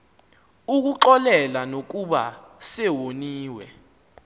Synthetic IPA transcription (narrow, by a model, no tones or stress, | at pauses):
uk̬uǃɔlɛlanok̬uɓa̰sɛwoniːwɛ